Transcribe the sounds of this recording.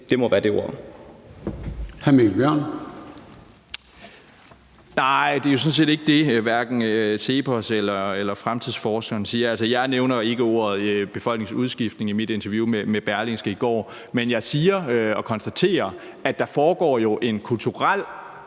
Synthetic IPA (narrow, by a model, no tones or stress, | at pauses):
d̥e̝mɒʋæːɐd̥e̝o̝̰ɐ̰ | hæmelb̥jœɐ̰n | nɑ̈ɪ̰d̥e̝jo̝s̬ɔ̽n̩s̬e̝̰ːde̝ɡ̥əd̥e̝ʋæɐɡ̥n̩sʰe̝pʰɒselɐelɐfʁamt͡sʰiðˠsfɒːsɡ̥ɐnsiːɐælsəjɑ̈ɪneʊnɐe̝ɡ̥əo̝̰ɐ̰ð̞̩ˠb̥e̝fɒ̽l̰ɡ̥neŋsuðˠsɡ̥ifd̥ne̝ŋimid̥e̝nt͡sʰɐʋjumemeb̥æɐlensɡ̥əiɡ̥ɒ̰ː | menjɑ̈ɪsiːɐɒ̽kʰɒ̽nsd̥æt͡sʰe̝̰ːɐ | æd̥ɑ̈fɒːɡ̥ɒ̰ːjo̝ʔe̝nkʰult͡sʰuʁal̰